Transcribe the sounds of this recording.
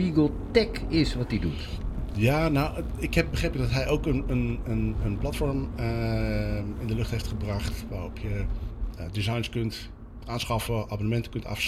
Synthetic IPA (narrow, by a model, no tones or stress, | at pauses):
iɡəlˠtɛk | ɪsʋɑtdidutjaːnaw | ɪkɦɛp̚bəχrejpɪɡdɑtɦɛjowkənənənənplɑtfɔɹmə | ɪndəlɵχtɦejftχəbrɑχtʋaːrɔpʰjə | dizɑjnskɵnt | ʔaːnsχɑfəʔaːbonəmɛntə̥kɵntɑ̰f